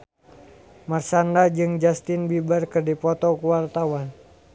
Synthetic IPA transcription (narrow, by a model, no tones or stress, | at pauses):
marsandad͡ʒɨŋd͡ʒast̪ɪnbibərkɨrdipɔt̪ɔkuwart̪awan